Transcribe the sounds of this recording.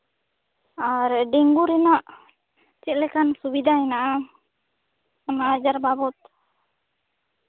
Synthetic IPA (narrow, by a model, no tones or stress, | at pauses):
aɾɛɖiŋɡuɾinaʔ | t͡ʃiʔlɛkansubid̪ainaʔa | anaːd͡ʒaɾbabɔt̪̚